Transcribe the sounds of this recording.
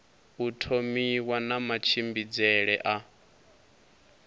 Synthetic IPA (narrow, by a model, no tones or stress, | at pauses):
utʰomiwanamat͡ʃʰimbid͡zɛɺɛʔa